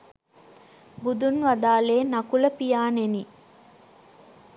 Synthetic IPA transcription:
bud̪unʋɐd̪aːleːnɐkuləpijaːneni

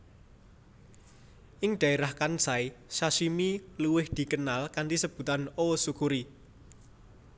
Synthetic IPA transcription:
ʔɪŋɖ̪̥a̤eɾahkansajsasimiluwɪhd̪̥i̤kənalkanɖisəb̥ṳt̪anosukuɾi

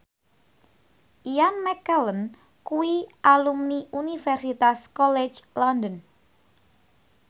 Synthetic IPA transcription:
ʔijanmɛkələn | kuwiʔalumniʔunifɛrsit̪askɔle̥d͡ʒlɔndən

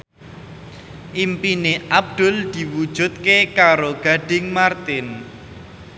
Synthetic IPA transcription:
ʔimpineʔab̚d̪̥ʊ̤ld̪̥i̤wud̥ʒ̥ʊ̤t̪̚kekaɾoɡ̥a̤ɖ̥ɪ̤ŋmart̪ɪn

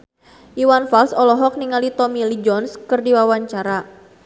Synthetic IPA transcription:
ʔiwanfalsɔlɔɦɔk̚niŋalit̪ɔmilid͡ʒɔnskɨrdiwawaɲt͡ʃaɾa

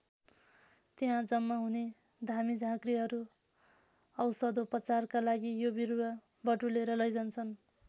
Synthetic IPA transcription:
t̪eɦãd͡zʌmːʌɦune | d̪ʱamid͡zʱãɡriɦʌɾu | ʌwsʌd̪oprʌt͡sarkalaɡijobiruwa | bʌʈuleɾʌlʌjd͡zʌnt͡sʰʌn

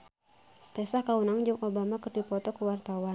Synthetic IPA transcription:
t̪ɛsahkaunaŋd͡ʒɨŋʔobamakərdipɔt̪ɔkəwart̪awa

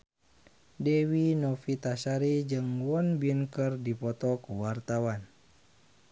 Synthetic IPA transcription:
dɛwinɔfit̪asaɾid͡ʒɨŋwɔnbinkərdipɔt̪ɔkuwart̪awan

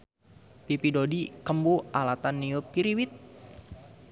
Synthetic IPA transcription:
pipidodikəmbualat̪anːiʊpiɾiwit̪̚

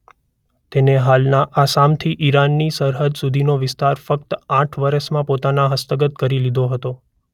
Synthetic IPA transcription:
t̪eneɦalnaʔasamt̪ʰiʔiɾanːisəɾɦəd̪sud̪ʱinoʋɪst̪aɾfək̚t̪ãʈʰʋəɾəʃmãpot̪anaɦəst̪əɡət̪̚kəɾilid̪ʱoɦət̪o

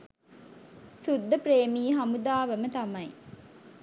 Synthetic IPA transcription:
sud̪ːɐpɾeːmiːɦɐmud̪aːʋemət̪ɐmɐj

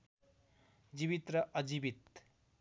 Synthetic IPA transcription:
d͡ʒiβit̪ɾʌʔʌd͡ʒibit̪

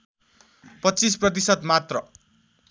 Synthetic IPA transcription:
pʌtːt͡sis̬prʌt̪̬isʌt̪mat̪rʌ

